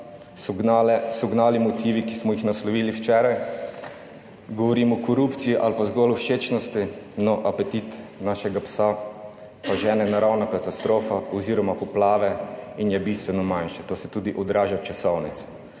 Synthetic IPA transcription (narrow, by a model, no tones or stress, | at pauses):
ɛsɔɡnaːlimɔt̪iːʋikismɔjixnaslɔʋiːliwt͡ʃɛːɾaj | ɡɔʋɔɾiːmɔkɔɾupt̪sijiʔalpazɡɔlɔʃet͡ʃnɔst̪inɔʔapɛt̪it̪naːʃɛɡapsa | paʒɛːnɛnaɾawnakat̪ast̪ɾoːfaɔziːɾɔmapɔplaːʋɛinjɛbist̪ʋɛnɔmajnʃɛt̪oːsɛt̪uːd̪iʔɔd̪ɾaːʒat͡ʃasɔwnit̪s